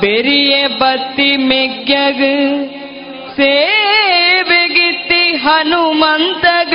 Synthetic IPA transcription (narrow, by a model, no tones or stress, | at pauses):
beɾijebɐt̪ːimeɡjɐɡɯ | seː | ʋeɡit̪ːiɦɐnumɐnt̪ɐɡ